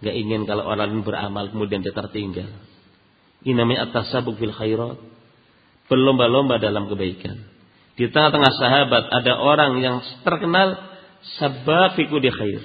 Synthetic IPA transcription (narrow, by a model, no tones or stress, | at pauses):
ŋɡaʔiŋɪnkalowʔoɾaŋlɪnbəra̰malkəmudiandiat̪ərt̪iŋɡal | ʔinamaɲaʔat̪ːasabʊk̚filxajɾɔt̪̚ | b̥ərlombalombadalamkəbaika̰n | dit̪əŋaht̪əŋahsaɦabat̪adaʔoɾaŋjaŋt̪ərkənal | sabafikudixajr